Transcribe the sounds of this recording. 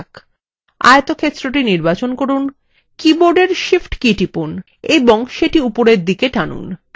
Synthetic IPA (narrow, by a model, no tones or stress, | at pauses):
k | a̰jet̪okʰet̪ːɾoʈiniɾbat͡ɕonkoɾun | kiboɾɖeɾʃifʈkiʈipun | eboŋʃeʈiupoɾeɾd̪ikeʈanṵn